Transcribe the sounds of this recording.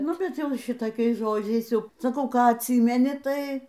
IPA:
ˈnʊ bʲɛt ˈjɛʊ ˈʃʲɪtoːkʲɛɪs ˈʒoːd͡ʒʲɛɪs ˈjɛʊ sɐˈkɐʊ ˈkɑː ɐtʲˈsʲiːmʲɛnʲɪ ˈtɐɪ

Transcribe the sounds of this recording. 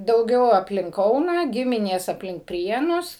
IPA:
dɐʊˈɡʲɛʊ ɐpʲˈlʲɪŋk ˈkɐʊnɑː ˈɡʲɪmʲɪnʲeːs ɐpʲˈlʲɪŋk ˈpʲrʲiɛnʊs

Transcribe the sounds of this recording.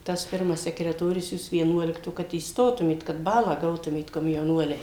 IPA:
tɐs ˈpʲɪrmɐs sʲɛkrʲɛˈtoːrʲʊs ˈjuːs ʋʲiɛˈnuɔlʲɪktoː kɐt iːsˈtoːtʊmʲeːt kɐt ˈbɑːlˠɑː ˈɡɐʊtʊmʲeːt koːmʲjɛʊˈnuɔlʲɛɪ

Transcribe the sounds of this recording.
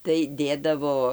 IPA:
tɐɪ ˈdʲeːdɐʋoː

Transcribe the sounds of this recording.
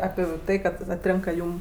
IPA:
ˈɑːpʲɪ ˈtɐɪ kɐt ɐtʲˈrʲeːŋkɐ ˈjuːm

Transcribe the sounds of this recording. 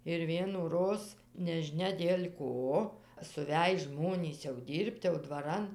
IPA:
ɪr ʋʲiɛnuːˈroːs nʲɛʒʲɪˈnʲɛ dʲeːlʲ ˈkoː sʊˈʋʲæj ˈʒmoːnʲiːs jɛʊ ˈdʲiːrʲpʲtʲ jɛʊ dʋɐˈrɐn

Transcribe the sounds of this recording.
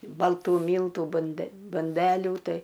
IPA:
bɐlˠˈtuː ˈmʲiːlˠtuː bʊnʲˈdʲɛ bʊnʲˈdʲæːlʲuː ˈtɐɪ

